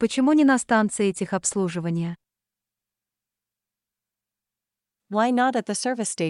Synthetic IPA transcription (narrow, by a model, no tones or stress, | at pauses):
pət͡ɕɪmunʲɪnɐst̪ant̪sɨɪɛtʲɪxɐpslˠuʐɨvənʲɪjə | waɪnəɾɨt̪̚ðɨsɜ˞vɨsteɪ